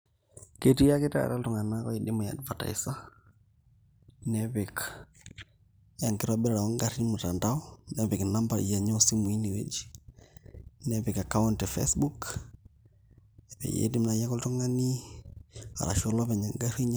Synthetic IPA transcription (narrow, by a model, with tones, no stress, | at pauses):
keti˦ja˦ke˦ta̰ɾa˦ltu˨ŋa˨nakɔ˦i˨dɪ˦mɔ˨ja̰˨dva˨ta̰˨isa˦ | nɛβɪ˨k | a˨ŋkɪ˦ɾɔbɪ˦ɾɾa˨wɔ˦ŋɡaɾi˦mu˨ta˨ntaɔ˦nɛβɪ˨kna˦mba̰jɛ˨ɲɔ˦si˦mu˨i˦ni˨wḛ˦d͡ʒi | nɛβɪka˨ka˦ɔntɛ˨fḛsbu˦k | ɛ˨pɛ̰˨jḛ˦di˦mna˨ja˦kɔ˦ltu˦ŋa˦ni˦ | a̰˨ɾa̰˨ʃo˦lɔ˦βɛ˨ɲa˨ŋɡa˦ɾi˦ɲ˦